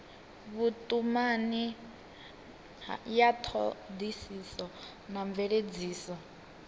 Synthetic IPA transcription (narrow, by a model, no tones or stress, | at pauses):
βutʼumani | jat̪ʰɔ̰d̪isisɔ | naɱb̪vɛɺed͡ziːsɔ